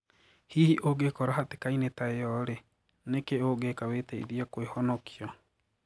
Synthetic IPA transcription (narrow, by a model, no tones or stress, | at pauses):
hihiʔoɡekɔɾahate̥kainetaejɔɾe | nekeoɡekaweːtɛḭɾiakwehɔnɔkʰiɔ